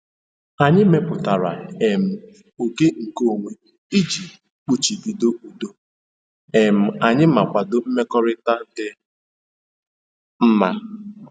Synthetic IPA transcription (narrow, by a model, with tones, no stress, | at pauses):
a˨ɲɪ˦me˦pʊ˨ta˨ɾa̰˨e˨m̩˨ | o˨ɡe˦ŋ̩˨ko˦˨ŋʷe˦ | i˦d͡ʒi˨ | k͡pu˦t͡ʃi˨di˨do˦u˨do˦ | e˨m̩˨a˨ɲɪ˦ma˨kʷa˨dʊ˨m̩˦me˦kɔ˦ɾɪ˦ta˦n̩˦dɪ˦ | m̩˦ma˦